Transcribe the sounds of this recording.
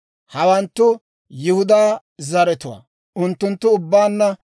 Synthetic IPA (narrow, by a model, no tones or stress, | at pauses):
hɐwɐnt̪ːʊ | jɪhʊd̪aː | zɐɾɛt̪ʊwa̰ | ʔʊnt̪ːʊnt̪ːʊʊbːaːnːɐ